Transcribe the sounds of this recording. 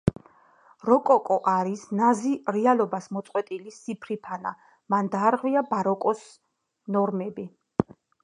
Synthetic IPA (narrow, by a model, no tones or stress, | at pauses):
ɾɔkʼɔkʼɔʔaɾisnaziɾɛalɔbasmɔt̪sʼqʼwɛt̪ʼilisipʰɾipʰana̰ | mand̪aːɾʁwiabaɾɔkʼɔs | nɔɾmɛbi